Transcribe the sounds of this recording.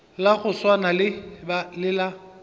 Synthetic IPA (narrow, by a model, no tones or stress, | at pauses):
laɣʊswanalɪbalɪla